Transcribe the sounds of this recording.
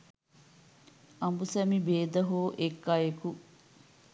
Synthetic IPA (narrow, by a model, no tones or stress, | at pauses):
ɐmbusæmibeːd̪ɐɦoːʔekːajeku